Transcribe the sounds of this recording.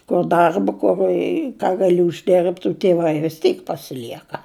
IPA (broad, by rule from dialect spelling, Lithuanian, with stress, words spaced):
kʊr ˈdɐrbɐ ˈkʊr ɪ kɑː ɡɐˈlʲɪ ʊʒʲˈdʲɪrpt ʊ tʲɪˈʋɐɪ ʋʲɪs ˈtʲiːk pɐsʲɪˈlʲiɛkɐ